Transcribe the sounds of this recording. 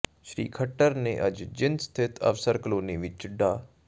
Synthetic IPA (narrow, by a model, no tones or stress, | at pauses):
ʃɾḭːkʰəʈːəɾneːʔəd͡ʒd͡ʒɪnst̪ʰɪt̪ʰə̰ʋsəɾkəloːneːʋɪt͡ʃɖaː